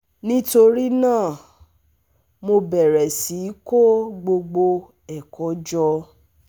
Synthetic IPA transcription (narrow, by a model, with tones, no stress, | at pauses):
nĩ˦to˧ɾi˦nãː˦˨ | mo˧bɛ˨ɾɛ˨si˨˦ko˦ɡ͡bo˧ɡ͡bo˧ | ɛ˨kɔ˨˦d͡ʒɔ˧